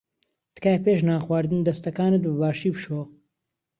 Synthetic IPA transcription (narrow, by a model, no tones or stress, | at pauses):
t̪ɨ̥kaːjpeːʃ̬naːxwaːɾd̪ɨnd̪ɐst̪ɐkaːnɨt̪̚bɨbaːʃiːpʃo